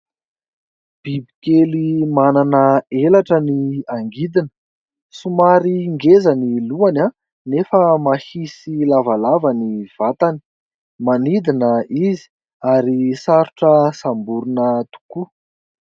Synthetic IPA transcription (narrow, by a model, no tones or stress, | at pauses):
b̥ibikelimananəelaʈ͡ʂəniaŋɡid̪inə̥ | sumaɾiŋɡezaniluana | nefəmahisilavalavaniv̥at̪ani̥ | manid̪inəizi̥ | aɾisaɾuʈ͡ʂəsambuɾunət̪u̥ku